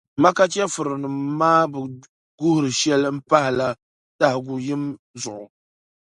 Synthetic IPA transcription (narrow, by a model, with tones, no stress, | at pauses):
ma˦ka˦t͡ʃɛ˦fɨ˨ɾɨ˨nɨ˨mːaː˦bɨ˨ | ɡʊ˦hʊ˨ɾɨ˨ʃɛ˦lm̩˦pa˦hɪ˨la˨ | ta˦hɡʊ˨jɪ˦m | zʊ˨ʔʊ˨